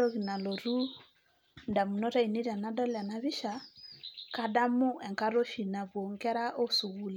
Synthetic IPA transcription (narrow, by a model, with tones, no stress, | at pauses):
o˦ɣi˨na˨lo˨ɾu˦ | nda˨mu˨nɔ˦ɾa˦i˨ni˦ɾa˨na˦dɔ˦la˨na˨βi˦ʃa˨ | ka˦da˦mu˦ʔɛ˨ŋka˦ɾo˦ʃi˨na˨βwo˨ŋkɛ˦ɾa˦ʔo˦su˨ɣu˦li˨